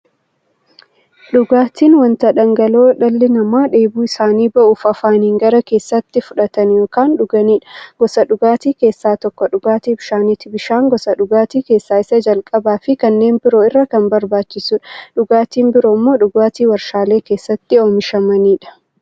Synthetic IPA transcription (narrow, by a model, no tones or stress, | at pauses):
ᶑʊɡaːt̪iːnwɐnt̪ɐᶑɐŋɡɐlo̞ːᶑɐlːɪnɐmaːᶑe̞ːbuːɪsaːniːbɐʔʊfɐfaːniːŋɡɐɾɐke̞ːsːɐt̪ːɪfʊᶑɐt̪ɐnjo̞ːkaːnᶑʊɡɐniːᶑɐ̥ɡ̥ɔsɐɗʊɡaːt̪iːke̞ːsːaːt̪ɔkːɔᶑʊɡaːt̪iːbɪʃaːnit̪ɪbɪʃaːŋɡɔsɐᶑʊɡaːt̪iːke̞ːsːaːɪsɐd͡ʒɐlkʼɐbaːfɪkɐnːe̞ːnbɪɾo̞ːɪrːɐkɐmbɐɾbaːt͡ʃːɪsuᶑɐᶑʊɡaːt̪iːmbɪɾo̞ːmːo̞ːᶑʊɡaːt̪iːwɐɾʃaːle̞ːke̞ːsːɐt̪ːɪo̞ːmɪʃɐmɐniːᶑɐ̥